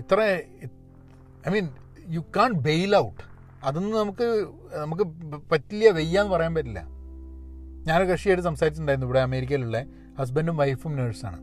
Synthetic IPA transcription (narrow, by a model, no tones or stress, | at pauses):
it̪ːrei | ɐjmiːn | jukːaːɳʈ̚be̞jlɐwʈː | ɐðonːɨnɐmukːɨ | nɐmuk̬ːɨpɐtːilːijɐʋe̞jːaːnːpɐrɐjaːnpɐtːilːɐ̰ | ɲaːnokɐʂijaːjʈɨsɐmsaːɾit͡ɕːuɳɖaːiɾnːiʋiɽeɐme̞ːɾik̬ʲːɐiluɭːe | hɐs̬bendɖumʋɐjfumneːɖsa̰ːɳɨ̰